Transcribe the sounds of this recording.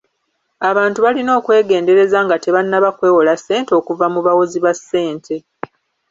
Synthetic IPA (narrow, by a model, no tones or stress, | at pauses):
aβaːntuβalino̞ːkwe̞ːɡe̞ːnde̞ɾe̞zaŋɡate̞βanːaβakwe̞ːwolasːe̞ːnteo̞kuvamuβawoziβasːe̞ːntʰe̞